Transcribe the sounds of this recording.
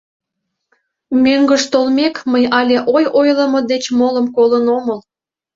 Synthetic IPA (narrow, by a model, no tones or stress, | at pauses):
møŋɡəʃt̪olmʲekməjɑlʲeʔojojlə̆mod̪et͡ɕmoləmkolənoməl